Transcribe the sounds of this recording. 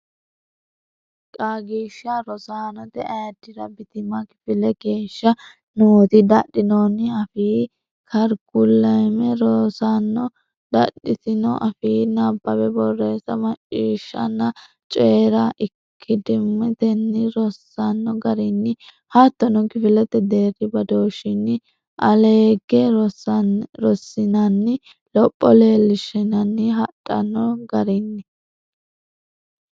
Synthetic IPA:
kʼaːɡiːʃːɐɾɔsaːnɔt̪ɛʔɐjd̪ːɪɾɐbɪt̪ɪmɐkɪ̥fɪlɛɡe̞ːʃːɐ | noːt̪ɪd̪ɐɗːɪnonɪɐfiː | kʰɐɾɡʊlːɐjmɛɾosanːɔ | d̪ɐɗːɪt̪ɪnɔ̰ʔɐfiːnɐbːɐbɛbɔrːe̞ːsɐmɐt͡ʃʼːiːʃːɐ̰nːɐ | t͡ʃʼeːɾɐʔɪkʰːɪd̪ɪmːɛt̪ɛnːɪɾɔsːɐnːɔɡɐɾɪnːɪ | hɐt̪ːɔnɔɡɪfɪlɛt̪ɛd̪eːɾɪbɐd̪oːʃɪnːɪ | ʔɐleːɡɛ | ɾɔsːɪnɐnːɪ | lɔpʼːɔleːlɪʃɛnɐnːɪɦɐɗʼɐnːɔɡɐɾɪnːɪ

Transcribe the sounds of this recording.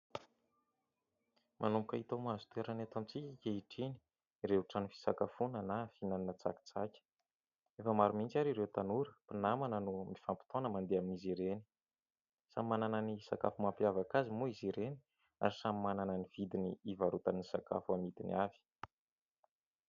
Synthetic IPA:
mʔanumbukʲait̪amazu̥t̪eɾanat̪omt͡sikʲikʲeiʈ͡ʂini̥ | ɾeuʈ͡ʂanifi̥sakafunanafinaninat͡sa̰ki̥t͡sakʲə̥ | efəmaɾumint͡saɾiɾewt̪anuɾəpinamanənumifampi̥t̪onəmand̪eaminiziɾeni̥ | samimanananisaka̰fumampjavakazimuiziɾeni̥ | a̰ɾisamimanananiv̥id̪inḭivaɾut̪anisaka̰fuamit̪iniavi̥

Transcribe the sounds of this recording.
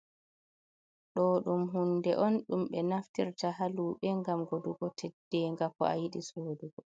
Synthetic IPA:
ɗɔɗumɦundɛʔɔnɗumɓɛnaftiɾtaɦaluːɓɛŋɡamɡoduɡɔtʰɛd̥ːɛŋɡakɔ̰a̰jiɗisoːduɡɔ

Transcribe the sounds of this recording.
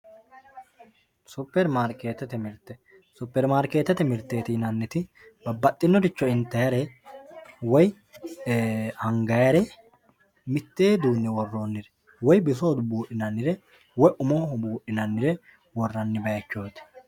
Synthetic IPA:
sʊpːɛɾmaɾkeːt̪ːɛt̪ɛmɪɾt̪ːɛ | sʊpːɛɾmaːɾkeːt̪ːɛt̪ɛmɪɾt̪ːe̞ːt̪ɪnɐnːɪt̪ɪ | bɐbɐt̪ʼːɪnːɔd̪ɪt͡ʃːɔɪnt̪ːɐjɐɾɛ | wɔj | hɐŋɡɐjɐɾɛ | mɪt̪ːe̞ːd̪uːnːɛwɔrːo̞nːɪɾɛ | wɔjbɪs̬oːd̪ʊbuːɗːɪnɐnːɪɾɛ | wɔjʔʊmoːhbuːʔɪnɐnːɪɾɛ | wɔrːɐnːɪbɐjɐt͡ʃːo̞ːt̪ɛ̥

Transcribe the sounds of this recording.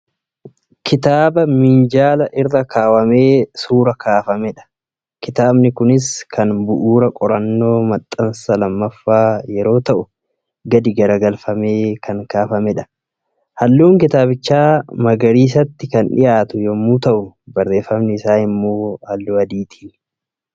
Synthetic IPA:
kʰɪt̪aːbɐmɪnd͡ʒaːlɐʔɪrːɐkʰaːwɐme̞ːsuːɾɐkʰaːfɐmɛᶑɐ̥ | kɪt̪aːbnɪkʊnɪskʰɐnbʊʔuːɾɐkʼɔɾɐnːo̞ːmɐt̪ʼːɐnsɐlɐmːɐfːaːjɛɾo̞ːt̪ɐʔʊ | ɡɐd̪ɪɡɐɾɐɡɐlfɐme̞ːkʰɐŋkaːfɐmɛᶑɐ̥ | hɐlːuːŋkɪt̪aːbɪt͡ʃːaːmɐɡɐɾiːs̬ɐt̪ːɪkɐnᶑɪ̰jaːt̪ʊjɔmːuːt̪ɐʔʊbɐrːe̞ːfːɐmnɪɪsaːnɪmːoːhɐlːuːɐd̪iːt̪ʰi̥ːn

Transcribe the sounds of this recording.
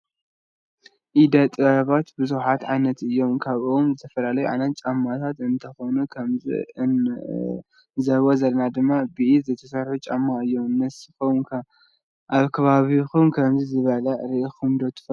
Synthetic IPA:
ʔid̪ɐt̪ʼɨβɐβat̪bɨzuħat̪ʕajnɐt̪ɨjːo̞mkʰaβʔomzɨt̪ʰɐ̥fɐlalɐjuʕa̰nɐt̪̚t͡ʃʼamːat̪ʰat̪ɨnt̪ʰɐxo̞nukʰɐmzḭ | zɐβozɐlnad̪ɨmːabɨʔizɐjt̪ʰɐsɐɾħut͡ʃʼamːaɨjːo̞mnɐsɨfowkʰa | ʔaβkʰɐβaβixumkʰɐmzizɨβɐlɐɾiʔxumd̪ot̪ʰːɨ̥fɐ

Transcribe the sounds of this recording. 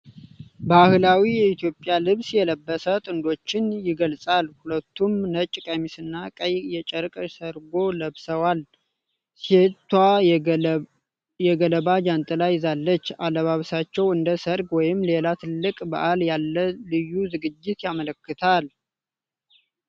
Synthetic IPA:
bahɨlawijɛit̪ʰjo̞pʼːjalɨβsjɛləbːəsət̪ʼɨnd̪o̞t͡ʃːɪnjɪɡəlsʼalhulət̪ʰːumnət͡ʃʼːkʼemisɨnːakʼəjjɛt͡ʃʼəɾkʼəsəɾɡo̞ləβsəwal | set̪ːwa | jɛɡələβad͡ʒant̪ʼɨlajzalːət͡ʃːaləβaβsat͡ʃːɛwɨnd̪əsəɾɡwɔjɪmle̞lat̪ʰɨlːɨkʼbəʔaljalːəlɨjːuzɨɡɨd͡ʒːɪt̪jamələkːɨt̪ʰal

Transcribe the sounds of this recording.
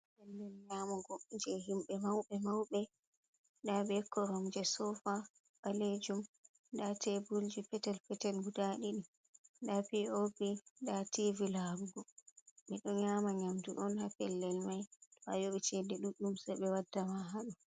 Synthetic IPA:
ɓɛndɛnɲamɔɡɔd͡ʒɛɦimɓɛmawɓɛmawɓɛ | dabɛkʰːɔɾɔmd͡ʒɛsɔfa | ɓaled͡ʒum | datʰɛbuld͡ʒipɛtɛlpɛtɛlɡudaɗiɗi | dapiopidativilaɾuɡɔɓɛɗɔnɲamaɲamdṵɗɔnhapɛlːɛlmajtɔa̰joɓit͡ʃɛdɛɗuɗːumsɛɓɛwadːamaɦaɗu

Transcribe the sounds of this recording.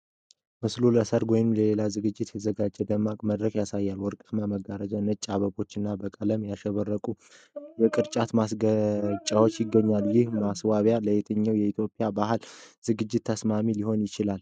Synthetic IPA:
mɨsluləsəɾwɔjnɨmləle̞lazɨɡɨd͡ʒːɪt̪jɛəzəɡad͡ʒːɛd̪əmːakʼməd̪ɾəkʼjasajːalwɔɾkʼɨt̪maməɡaɾəd͡ʒanɨt͡ʃʼaβəbo̞t͡ʃːɨnːabəkʼələmjaʃɛβərːəkʼu | jɛkʼɨɾt͡ʃʼat̪masɡət͡ʃʼawot͡ʃːjɪɡːəɲːaljɪhmaswaβjaləjɛt̪ʰəɲːawjɛit̪ʰjo̞pʼjabaɦɨlz̥ɨɡɨd͡ʒːɪt̪ʰːəsmamiliho̞njɪt͡ʃɪlal

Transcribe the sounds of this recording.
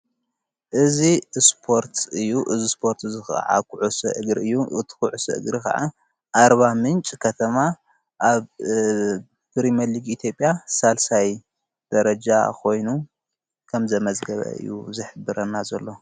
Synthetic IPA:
ʔɨzispʰo̞ɾt̪ʰɨjːuʔɨzispʰo̞ɾt̪ɨzɨxʕa̰kʰuʕusɐʔɨɡɾɨjːuʔɨt̪ʰkuʕusɐ̰ʔɨ̰ɡɾika̰ʕa̰ | ʔaɾβamɨnt͡ʃʼkʰɐt̪ʰɐma | ʔaβ | b̥ɨɾimɐliɡit̪ʰjo̞pʼjasalsaj | d̪̥ɐɾɐd͡ʒakʰo̞jnu | kʰɐmzɐmɐzɡɐβɐ̰ɨ̰jːṵzɨħɨbːɨɾɐnːazɐlːo̞

